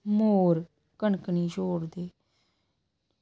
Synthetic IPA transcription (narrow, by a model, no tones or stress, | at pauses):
moːɾ | kəɳkniːd͡ʒoːɽd̪eː